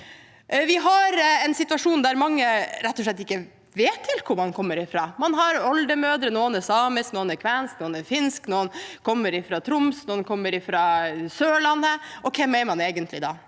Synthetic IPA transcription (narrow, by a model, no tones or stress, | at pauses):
ʋɪɦɑɾɛnsɪt̪ʉɑʂuːnd̪æɾmɑŋːəɾɛt̪ːɔʂɭɛt̪ːɪkːə | ʋeːt̪ʰːɪlkʰʊɾmɑnkʰɔmːəɾɪfɾɑːmɑnɦɑɾɔld̪əmøːd̪ɾənoːənɛsɑːməsknoːənæɾkʰʋɛnsknoːənæɾfɪnsknoːnkʰɔmːəɾɪfɾɑt̪ʰɾʊmsnoːənkʰɔmːəɾɪfɾɑsøːɭɑnːəʔɔkʰɛmɛmɑneːɡənt̪lɪd̪ɑ̰ː